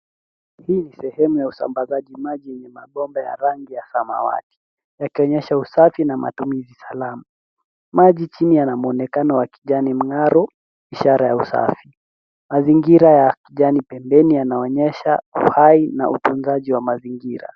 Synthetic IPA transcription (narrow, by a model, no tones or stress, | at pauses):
hiːnisɛhɛmujausa̰mbazaʄimaʄijɛɲɛmaɓɔmbaja̰ɾaŋɡijasama̰wa̰ti̥ | jakiɔɲɛʃausafinama̰tumizisalama | maʄit͡ʃinijanamuɔnɛkanɔwakiʄanim̩ŋaɾɔ | iʃaɾajausa̰fi | maziŋɡiɾajakiʄanipɛmbɛnijanaɔɲɛʃaṵhaina̰ʔṵtunzaʄiwamaziŋɡiɾa̰